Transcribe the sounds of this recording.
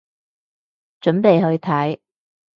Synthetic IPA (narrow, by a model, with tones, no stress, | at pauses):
t͡ʃɵ˨˥npe˨jɦɵ˧ɥt̪ʰɐ˨˥j